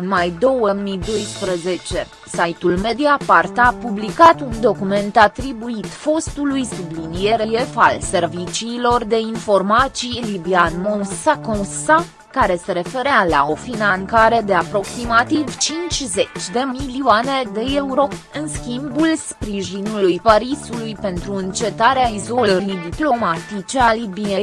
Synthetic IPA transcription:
ɨnmajd̪o̞wəmid̪o̞jspɾəze̞t͡ʃe̞ | sajt̪ulme̞d̪iapart̪apublikat̪und̪o̞kume̞nt̪at̪ɾibuit̪fo̞st̪ulujsublinije̞ɾeje̞fa̰lse̞rvit͡ʃiːlo̞rd̪e̞info̞rmat̪sijlibianmõsakõsa | kaɾe̞se̞ɾe̞fe̞ɾeala̰o̞finankaɾe̞d̪e̞apɾo̞ksimat̪iivt͡ʃint͡ʃʲze̞t͡ʃʲd̪e̞milioane̞d̪e̞euɾo̞ | ɨnskʲimbulspɾiiʒinulujpaɾisulujpe̞nt̪ɾuɨnt͡ʃe̞t̪aɾeaizo̞ləɾid̪iplo̞mat̪it͡ʃe̞alibie

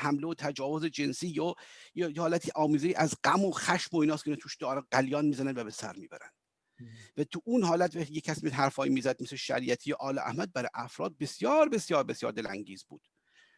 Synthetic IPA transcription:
hæmleot̪ʰæd͡ʒɒːvozed͡ʒe̞nsiːjojjehɒːlæt̪ʰiːʔɒːmiːzeiːʔæzɡæmoxæʃmoiːnɒːskʰeinɛt̪ʰuːʃd̪̥ɒːɾæɡæljɒːnmiːzænænvæbe̞sæ̰ɾmiːbæ̰ɾæ̰nd̪̥ | væt̪ʰuʔunhɒːlæt̪væxt̪iːjecʰæsimeɦhæɾfɒːimiːzæd̪̚meseʃæ̰ɾiːʔæt̪ʰiːjeʔɒːlɛ̰ʔæ̰hmæd̪̚bæɾɒjʔæfɾɒ̰ːd̪̚be̞sjɒːɾbe̞sjɒːɾbe̞sjɒ̰ːɾd̪e̞læ̰ŋɟiːzbṵːd̪̥

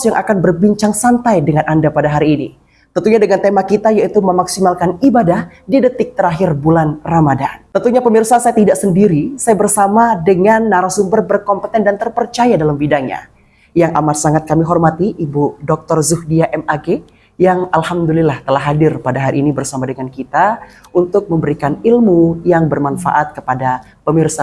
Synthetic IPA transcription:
sjaŋʔakanbərbiɲt͡ʃaŋsant̪ajdəŋanʔandapadaɦaɾiːnḭ | t̪ənt̪uɲadəŋant̪emakit̪ajait̪uməmaksimalkanibadahdidət̪ɪk̚t̪əɾaɦɪrbulanramadant̪ənt̪uɲapəmirsasajat̪idaʔsəndiɾisajabərsamadəŋanːaɾasumbərbərkɔmpət̪ɛndant̪ərpərt͡ʃajadalambidaɲa̰ | jaŋʔa̰marsaŋat̪̚kamiɦɔrmat̪iʔibudɔk̚t̪ɔrzuhdiaʔɛmaɡe | jaŋalhamd̪ulilaht̪əlaɦadɪrpadaɦaɾiːnibərsamadəŋankit̪a | unt̪ʊk̚məmbəɾikanilmujaŋbərmanfa̰ʔat̪̚kəpada | pəmirsa

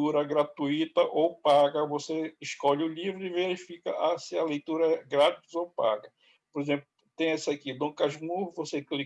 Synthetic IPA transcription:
uɾɐɡɾat̪uit̪ɐʔowpaɡɐvoseɪʃkɔʎʊlivɾʊiveɾifikɐ̰ʔasɪɐlejt̪uɾɐɛɡɾat̪izowpa̰ɡɐ | poɾezẽplʊʊt̪ẽj̃ɛsɐkid̪õkaʒmuɾvosekli

